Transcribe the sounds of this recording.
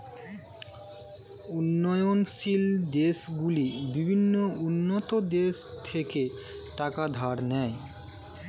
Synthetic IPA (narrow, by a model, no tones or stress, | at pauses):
unːɔjonʃild̪eʃɡulibibʱinːounːot̪od̪eʃt̪ʰeke | ʈakad̪ʱaɾnɛj